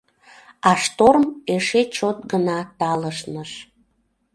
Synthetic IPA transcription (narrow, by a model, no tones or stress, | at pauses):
ɑʃt̪ormeʃet͡ɕot̪̚ɡənɑt̪ɑləʃnəʃ